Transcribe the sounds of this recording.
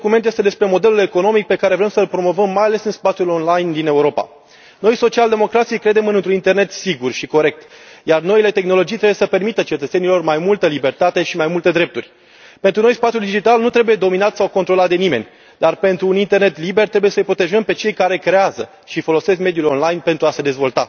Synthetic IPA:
kume̞nt̪jest̪e̞d̪e̞spɾe̞mo̞d̪e̞lule̞ko̞no̞mik̚pe̞kaɾe̞vɾe̞msəlpɾo̞mo̞vəmːajale̞sɨnspat̪sʲjulo̞nlajnd̪ine̞uɾo̞pa̰ | no̞jso̞t͡ʃiald̪e̞mo̞kɾat̪sijkɾe̞d̪e̞mɨnɨnt̪ɾunint̪e̞rne̞t̪siɡurʃiko̞ɾe̞k̚t̪jarno̞ile̞t̪e̞xno̞lo̞d͡ʒijt̪ɾe̞bujesəpe̞rmit̪ət͡ʃe̞t̪ət̪se̞nilo̞rmajmult̪əlibe̞rt̪at̪e̞ʃimajmult̪e̞d̪ɾe̞p̚t̪urʲ | pe̞nt̪ɾunojspat̪ʲjuld̪id͡ʒit̪alnut̪ɾe̞buje̞d̪o̞minat̪sawko̞nt̪ɾo̞lat̪̚d̪e̞nime̞̰nʲ | d̪arpe̞nt̪ɾuːnint̪e̞rne̞t̪libe̞rt̪ɾebuje̞səjpɾo̞t̪e̞ʒəmpe̞t͡ʃe̞jkaɾe̞kɾe̞azə | ʃifo̞lo̞se̞skme̞d̪julonlajnpe̞nt̪ɾuase̞d̪e̞zvo̞lt̪a

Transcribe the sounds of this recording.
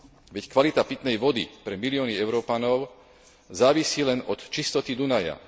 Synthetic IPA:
ʋɛckʋalit̪apit̪nɛjʋɔd̪ḭpɾɛmiliɔːniɛʊɾɔːpanɔʊ | zaːʋisiːlɛnɔt̪t͡ʃist̪ɔt̪id̪unaja̰

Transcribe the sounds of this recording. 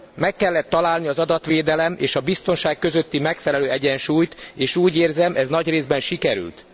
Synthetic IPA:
mɛkːɛlːɛt̪ːɒlaːlniɒzɒd̪ɒt̪ʋeːd̪ɛlɛmḛːʃɒbist̪o̞nʃaːkkø̞zøt̪ːimɛkfɛlɛløːɛɟɛnʃuːjt̪eːʃuːɟeːrzɛmʔɛznɒɟreːzbɛnʃikɛɾy̰lt̪

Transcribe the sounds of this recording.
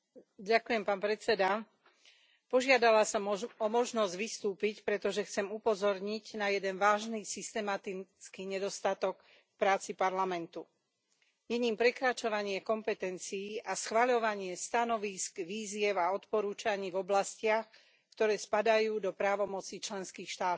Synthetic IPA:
ɟakujɛmpaːnpɾɛt͡sɛd̪a | pɔʒɪad̪alasɔmɔmɔʒnɔzɟʋist̪uːpicpɾɛt̪ɔʒɛxt͡sɛmupɔzɔɾɲiɟnajɛd̪ɛnʋaːʒnisist̪ɛmat̪it͡skiːɲɛd̪ɔst̪at̪ɔk | k̚pɾaːt͡sipaɾlamɛnt̪u | ɲɛɲiːmpɾɛkɾat͡ʃɔʋaɲɪɛkɔmpɛt̪ɛnt͡siːʔasxʋaʎɔʋaɲɪɛst̪anɔʋiskʋiːzɪɛʊaɔt̪pɔɾuːt͡ʃaɲiːvɔblascɪax | kt̪ɔɾɛːspad̪ajuːd̪ɔpɾaːʋɔmɔt͡sit͡ʃlɛnskiːxʃt̪aːt̪ɔ

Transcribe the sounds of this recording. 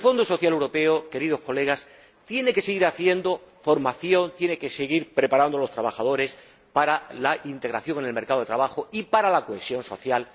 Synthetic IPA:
elfo̞nd̪oso̞θjalewɾo̞pe̞oke̞ɾiðo̞hko̞le̞ɣ̞as | t̪je̞neke̞seɣiɾaθje̞nd̪o̞fo̞ɾmaθjo̞nt̪je̞neke̞seɣiɾpɾe̞paɾand̪olo̞st̪ɾaβaxaðo̞ɾe̞s | paɾalaʔint̪e̞ɣɾaθjo̞ŋe̞ne̞lme̞ɾkaðet̪ɾaβaxoipaɾalako̞e̞sjo̞nso̞θjal

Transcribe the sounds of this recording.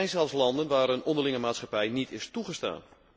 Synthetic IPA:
ɛjnzɛlˠfslɑndənʋaːɾənondəlɪŋəmaːtsχapɛjnitʰɪstuɣəsta̰ːn

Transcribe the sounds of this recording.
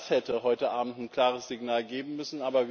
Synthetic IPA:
shɛtəhɔʏtəʔaːbm̩tnkl̥aːʁəsz̥ɪɡnaːlɡeːbm̩mʏsn̩ʔaːbɐv

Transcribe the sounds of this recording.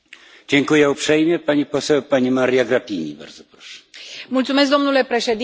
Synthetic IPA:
d͡ʑeŋkujawpʂɛjmʲjɛpaɲʲiposɛwpaɲʲimaɾijaɡɾapʲiɲḭba̰ɾd̪zopɾɔʂɛ̥mult̪sumes̬k̚d̪o̞mnule̞pɾe̞ʃed̪i

